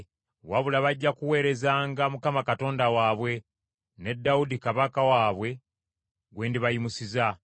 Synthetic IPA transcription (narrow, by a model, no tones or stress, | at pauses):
waβulaβaɟːakuwe̞ːɾe̞zaːŋɡamukamakato̞ːndawaːβwe̞ | ne̞dːawudikaβakawaːβwe̞ | ɡwe̞ːndiβajimusiza